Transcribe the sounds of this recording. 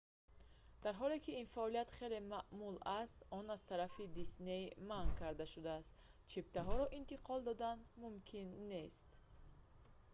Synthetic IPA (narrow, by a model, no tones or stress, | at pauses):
d̪̥aɾɦɔle̞kiinfaɔlijat̪χe̞le̞maʔmulast̪ɔnaz̥t̪ʰaɾafid̪isne̞jmankʰaɾd̪aʃud̪aːst̪t͡ʃʰip̚t̪ʰaɦɔɾɔʔint̪iqʰɔld̪ɔd̪anmumkʰinːe̞st̪